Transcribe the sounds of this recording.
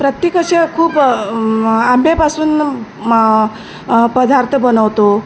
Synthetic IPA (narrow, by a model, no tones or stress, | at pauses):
pɾət̪jekəɕekʰuːp | amepasuːn | pəd̪aɾt̪ʰəbənəʋt̪o